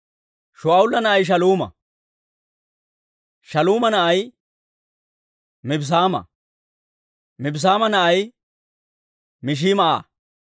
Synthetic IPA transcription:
ʃʊaːʊlːɐnɐʔɐjʃ̬ɐluːmɐ̰ | ʃɐluːmɐnɐʔɐj | mɪbs̬aːmɐ̰ | mɪbs̬aːmɐnɐʔɐj | mɪʃ̬iːmɐʔa̰ː

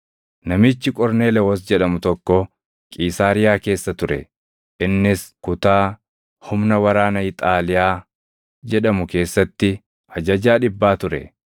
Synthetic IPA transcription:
nɐmɪt͡ʃːɪkʼɔɾne̞ːlɛwɐs̬d͡ʒɛᶑɐmʊt̪ɔkːɔ | kʼiːsaːɾɪjaːke̞ːsːɐt̪ʊɾɛ̰ | ʔɪnːɪskʊt̪aː | hʊmnɐwɐɾaːnɐɪt̪ʼaːlɪjaː | d͡ʒɛᶑɐmʊke̞ːsːɐt̪ːɪ | ɐd͡ʒɐd͡ʒaːᶑɪbːaːt̪ʊɾɛ̰

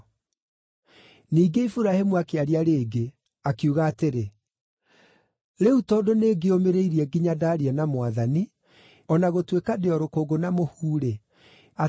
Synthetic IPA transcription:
niːɡeifuɾahemuakeaɾiaɾeːɡe | akiuɣaːteɾe | ɾeutɔdoneɡeomeɾeiɾiɛɡiɲadaːɾiɛnamwaðani | ɔnaɣotwekadeɔɾokoːɡonamohuːɾe | a

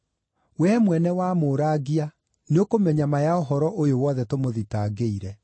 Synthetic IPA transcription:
wɛmwɛnɛwamoɾaːɡia | neokomɛɲamajaoɦɔɾɔʔojowɔːðɛtomoðitaːɡeiɾɛ

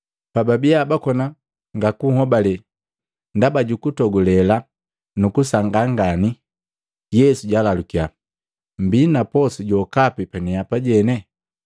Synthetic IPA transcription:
pababiabakɔna | ŋɡakuhɔbalɛ | ndabaɟukutɔɡulɛla | nukusaŋɡaŋɡani | jɛsuɟalalukia | mbinapɔsuɟɔkapipɛnɛjapaɟɛnɛ

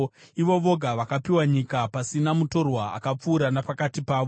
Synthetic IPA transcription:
iʋo̞ʋo̞ɡʱaʋakapiwaɲikapasinamuto̞rwaa̰kap͡fuːɾanapakatipaːʋo

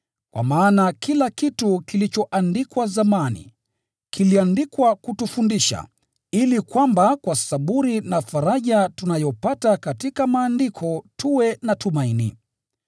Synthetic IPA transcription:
kwa̰maːnakilakitukilit͡ʃɔʔandikwazamanḭ | kiliandikwakutufundiʃa̰ | ilikwambakwasaɓuɾinafaɾaʄatunajɔpatakatikamaːndikʰɔtʰuwɛnatumainḭ

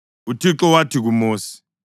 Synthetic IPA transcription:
utʰiǁɔwatʰiɣ̬umoːsi̥

